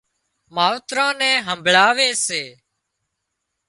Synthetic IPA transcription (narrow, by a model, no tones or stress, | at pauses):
maːʋt̪ɾãːnɛ̃ːɦəmbʱɭaːʋeːseː